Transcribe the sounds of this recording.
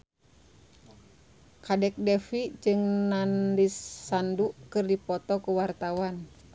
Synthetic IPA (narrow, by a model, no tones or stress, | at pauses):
kadɛk̚dɛfid͡ʒɨŋnandisːandukɨrdipɔt̪ɔkuwart̪awan